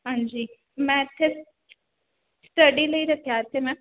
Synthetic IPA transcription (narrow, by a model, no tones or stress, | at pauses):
ɦãːɲd͡ʒiː | mɛ̃ɪt̪ʰːe | sʈəɖiləiɾəkʰjaːɾt̪ʰemɛ̃ː